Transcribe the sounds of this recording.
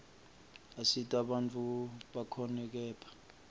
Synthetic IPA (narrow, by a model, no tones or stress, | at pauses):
asitʼaɓant͡fʼuɓakʰɔnɛk̬ɛːpʰḁ